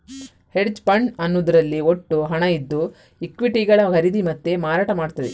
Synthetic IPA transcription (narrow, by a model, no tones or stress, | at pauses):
heɖd͡ʒpɐɳɖɐnːud̪ɐɾɐlːioʈːuɦɐɳɐid̪ːu | ikʋiʈiɡɐɭɐkɐɾid̪imɐt̪ːemaːɾaːʈɐmaːɽt̪ɐd̪e